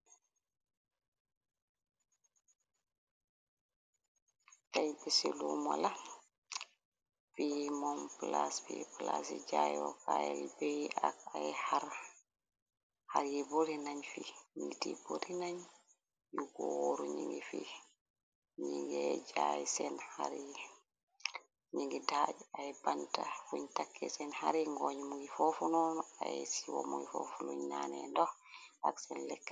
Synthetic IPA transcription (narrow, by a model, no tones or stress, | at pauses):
tajbɛseluma̰la | fimɔmplasfiplasid͡ʒajwɔ̰kajɛwibejakajɛhaɾ | haɾjiboɾinaɲfiɲitḭboɾinaɲ | juɡɔwoɾuɲiŋɡifi | ɲiŋɡɛd͡ʒajisɛnhaɾi | ɲiŋɡidad͡ʒuaɛbantafuɲtakːɛsɛnhaɾiŋɡɔɲmuŋɡifɔfunɔnɔajɛsiwɔ̰muŋɡifɔfuluɲnanɛndɔ | aksɛnlɛkːɛ̥